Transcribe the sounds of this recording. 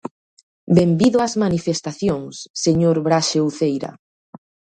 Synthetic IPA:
bembiðʊazmanifest̪aθjoŋsːeɲoɾβɾaʃewθejɾɐ̰

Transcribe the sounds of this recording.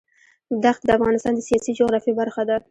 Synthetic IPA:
d̪axt̪̚d̪əafɣɑnɪst̪ɑnd̪əsijɑsid͡ʒʊɣɾɑfibaɾxad̪a

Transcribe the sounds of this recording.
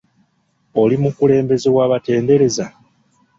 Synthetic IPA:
o̞limukule̞ːmbe̞zewaːβate̞ːnde̞ɾe̞za

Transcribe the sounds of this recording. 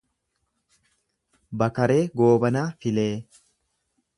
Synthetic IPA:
bɐkɐɾe̞ːɡo̞ːbɐnaːfɪleː

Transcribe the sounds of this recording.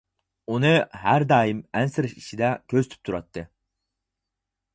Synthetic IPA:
unɨɦæɾd̪ɑːjimɛnsɪɾɪʃi̥ʃid̪ɛkʲʰøzyt̪ʰy̥p̚t̪ʰuɾɑt̪ːɨ

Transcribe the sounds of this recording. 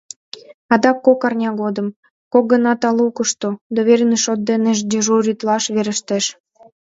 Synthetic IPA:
ɑd̪ɑkːokɑrnʲɑɣod̪əm | kok̚ɡənɑt̪ɑlukəʃt̪od̪oβeɾneʃot̪̚d̪eneʒdʲeʒorʲyt̪lɑʃβeɾə̆ʃt̪eʃ

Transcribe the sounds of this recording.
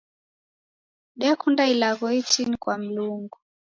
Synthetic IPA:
ɗiakʰundailak̬ɔitʰinikʼwam̩luːŋɡu

